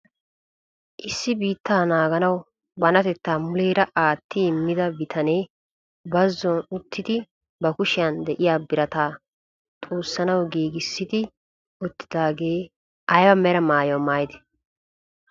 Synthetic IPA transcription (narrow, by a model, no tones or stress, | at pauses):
ʔɪsːɪbiːt̪ʰːaːnaːɡɐnɐw | bɐnɐt̪ɛt̪ːaːmʊleːɾɐʔaːt̪ːɪɪmːɪd̪ɐbɪt̪ʰɐneː | bɐzːɔnʊt̪ʰːɪd̪ɪ | bɐkʊʃɪjɐnd̪ɛʔɪjaːbɪɾɐt̪aː | t̪ʼoːsːɐnɐwɡiːɡɪsːɪd̪ɪ | ɔt̪ːɪ̥d̪aːɡeː | ʔɐjwɐmɛɾɐmaːjɔmaːjd̪ɛ̥